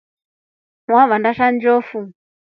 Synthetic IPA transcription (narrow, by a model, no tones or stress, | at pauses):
waβandaʃand͡ʒɔfu